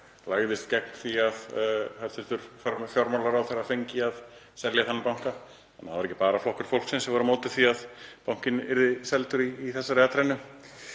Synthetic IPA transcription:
laɣðɪst̪cɛk̚nθiaðhaɾ̥θʏ̥t̪ʏɾ̥ffjɔɾmalaɾawθɛrafejɲcɪað | sɛljaθanːɪɾpawŋ̥ka | ɛnːavaɾɛcːɪ̥paːɾaflɔhkʏɾ̥fowl̥ksɪnsɛvɔɾʏmoːwt̪ɪ̥θiaðpawŋ̥cɪnɪɾðɪsɛlt̪ʏɾiːθɛsːaɾɛːat̪ɾajnʏ

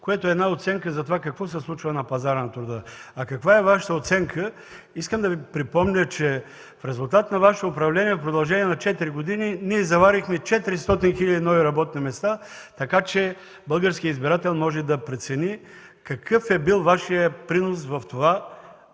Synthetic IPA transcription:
kojɛt̪oɛd̪naot̪sɛŋkəzɐt̪ovakɐkvɔsɛslˠut͡ʃvɐnɐpɐzaɾənɐt̪ɾʊd̪əɐkɐkvaɛvaʃə̥t̪əot̪sɛŋkʰə | iskəmd̪ɐvipɾipɔmnʲət͡ʃɛ | fɾɛzʊlˠt̪at̪nɐvaʃə̥t̪oːpɾɐvlɛniɛfpɾod̪ɐlˠʒɛniɛnɐt͡ʃɛt̪iɾiɡod̪ininiɛzɐvaɾixmɛt͡ʃɛt̪iɾist̪ɔt̪inxiʎʲɐd̪inɔviɾɐbɔt̪̚nimɛst̪at̪ɐkat͡ʃɛ | bɤlˠɡəɾsk̟iəizbiɾat̪ɛlʲˠmɔʒɛd̪ɐpɾɛt̪sɛni | kɐkʰɤfɛbilˠvaʃijəpɾinos̬vɐft̪ova

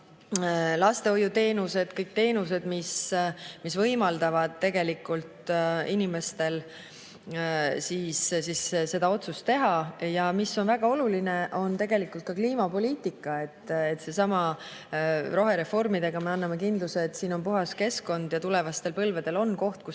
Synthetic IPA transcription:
lɑst̪e̞o̞jut̪e̞ːnuse̞d̪̥kɤjk̚t̪e̞ːnuse̞d̪̥mismisvɤjmɑld̪ɑvɑd̪̥̚t̪ːe̞ɡ̥e̞likːˑult̪inime̞st̪e̞l | siːssisse̞d̪̥ɑo̞t̪sust̪e̞ɦɑjɑmisːo̞nvæɡ̥ɑo̞luline̞ʔo̞nt̪e̞ɡ̥e̞likːˑult̪̚kɑkliːmɑpo̞lʲiːt̪ˑikˑːɑe̞t̪ːˑet̪ːse̞sɑmɑ | ro̞ɦe̞ɾe̞fo̞rmid̪̥e̞ɡ̥ɑmeɑnːɑmekind̪luseːt̪ːsiːno̞npuɦɑske̞sko̞nd̪̥jɑt̪ule̞vɑst̪e̞lpɤlve̞d̪̥e̞lo̞nko̞ht̪̚ku

